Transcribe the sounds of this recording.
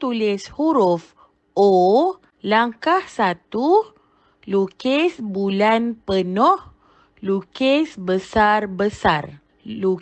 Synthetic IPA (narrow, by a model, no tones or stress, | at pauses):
t̪ulɪshuɾuf | ʔo | laŋkahsat̪u | lukesbulanpənɔh | lukesbəsarbəsar | lu